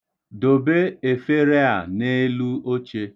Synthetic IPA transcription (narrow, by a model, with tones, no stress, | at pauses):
do˨be˦e˨fe˦ɾe˦a̰˨ne˦lu˦o˦t͡ʃe˦